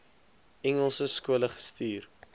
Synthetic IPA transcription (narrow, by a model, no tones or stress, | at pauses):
ɛŋəlˠsəskuələχə̥stiːr